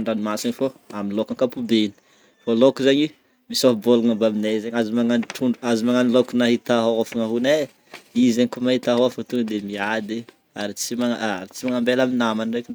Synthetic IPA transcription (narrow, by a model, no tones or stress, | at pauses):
ɳɖ͡ʐanimasinifoaminlokaŋkapubeni̥ | folokuzaɲi | misofboluŋabaminezeɲazimaŋaniʈ͡ʂʰuɳɖ͡ʐuazimaŋanilokunaɦit̪aɦoafaŋaɦune | izeɲikomahit̪aɦoafat̪uŋd̪emiad̪e | aɾit͡simaaaɾit͡simaŋambelaminamanireki